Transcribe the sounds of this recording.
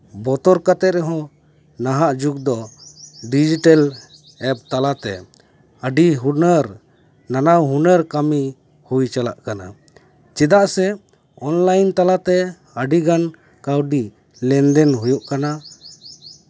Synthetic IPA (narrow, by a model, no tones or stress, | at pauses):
bɔt̪ɔɾkat̪ɛɾɛɦɔ̃ | naɦaʔd͡ʒuɡ̚d̪ɔɖid͡ʒiʈal | ɛp̚t̪alat̪ɛ̰ | əɖiɦunəɾ | nanawɦunəɾkami | hujt͡ʃala̰ʔkana̰ | t͡ʃɛd̪aʔsɛ | ɔnlajnt̪alat̪ɛ | əɖiɡan | kawɖi | lɛnd̪ɛnɦujuʔkana